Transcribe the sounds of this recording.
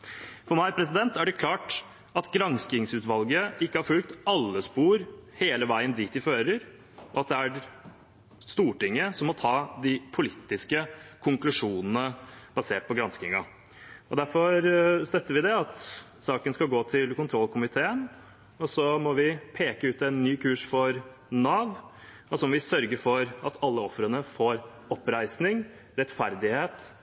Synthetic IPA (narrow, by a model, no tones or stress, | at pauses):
fɔɾmæɪpʰɾɛs̬ɪd̪ɛnt̪æɖɛkʰlɑːʈ | ɑt̪ɡɾɑnskɪŋsʉːt̪ʋɑlɡəɪkːəhɑɾfʉlk̚t̪ɑlːəspuːɾheːləʋæɪənd̪iːt̪ɪføːɾəɾ | ɔɑt̪̚d̪ɛæɾ | st̪uːʈɪŋːəsɔmːɔt̪ʰɑːd̪ɪpʰʊlɪt̪ːɪskəkʰʊŋklʉʂuːnənəb̥ɑseːʈ̚pʰɔɡɾɑnsk̪ɪŋɑ̰ | ɔd̪æɾfɔɾst̪œt̪ːəɾʋɪd̪ɛɑt̪ | sɑːkənskɑlɡoːt̪ʰɪlkʊnt̪ʰɾɔlkʰʊmɪt̪ʰeːən | ɔsɔmɔʋɪpʰeːkəʉːt̪ɛɪnːyːkʰʉːʂfɔɾ | nɑːʋ | ɔsɔmɔʋɪsœɾɡəfɔɾɑt̪ʰɑlːəɔfɾənəfoːɾ | ɔpːɾæɪsnɪŋ | ɾɛt̪fæɾd̪ɪheːt̪